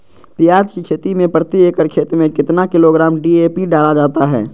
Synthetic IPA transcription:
pijaːd͡ʒkikʰeːt̪imẽpɾət̪ieːkəɾkʰeːt̪ɾmẽkɪt̪nakɪloɡɾaːmɖieːpiɖaːlad͡ʒaːt̪aɦɛ̰ː

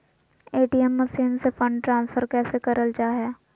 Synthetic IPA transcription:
eːʈiɛmːəsiːnsefə̃ɳɖʈɾãːnsfʰəɾkɛːsekɐɾəld͡ʒaːɦɛː

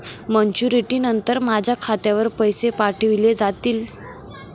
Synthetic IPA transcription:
məɲt͡ɕuɾiʈiːnənt̪əɾmad͡ʑʱjakʰat̪jaʋəɾpəjsepaʈʰəʋiled͡zat̪iːl

